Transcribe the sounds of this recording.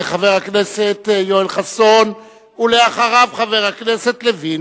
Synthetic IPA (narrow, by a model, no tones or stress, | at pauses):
eχaveʁakneset̪joelχason | uleaχaʁavχaveʁhaknese̞t̪levi